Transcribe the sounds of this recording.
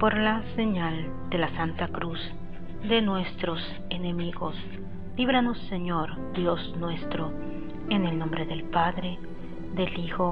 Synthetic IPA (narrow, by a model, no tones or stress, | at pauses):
po̞ɾlase̞ɲal | d̪e̞lasant̪akɾuz | d̪e̞nwe̞st̪ɾo̞s | ene̞miɣo̞s | liβɾano̞sːeɲo̞ɾ | d̪jo̞snwe̞st̪ɾo | ene̞lno̞mbɾeðe̞lpaðɾe̞ | ðe̞lixo̞